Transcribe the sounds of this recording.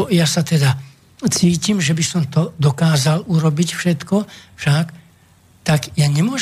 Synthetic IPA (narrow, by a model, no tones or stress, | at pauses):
jasat̪ɛd̪a | t͡siːcimʒɛbisɔmt̪ɔd̪ɔkaːzaluɾɔbicfʃɛt̪kɔfʃak | t̪aɡjaɲɛmʊɔʒ